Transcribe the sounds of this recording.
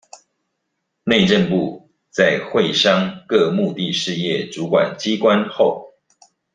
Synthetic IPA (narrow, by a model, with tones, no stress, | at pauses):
ne˥˧ɪʈ͡ʂə˥˨˧npu˥˧ | t͡sa˥˨ɪxwe˥˨ɪʂɑ˥ŋkɤ˥˧mu˥˧t̪i˥˧ʂɻ̩˥˧jɛ˥˨ʈ͡ʂu˨˦kwa̰˨˩nt͡ɕi˦kwa˦nxo˥˨ʊ